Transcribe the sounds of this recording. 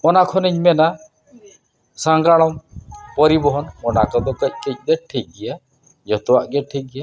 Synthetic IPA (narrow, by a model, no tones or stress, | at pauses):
ɔnakʰɔniɲmɛna | sãŋɡaɽ̃ɔmpɔɾibɔɦɔnɔnakad̪ɔkəc̚kəc̚d̪ɛʈʰikːija | d͡ʒɔt̪ɔwaʔɡɛʈʰiɡija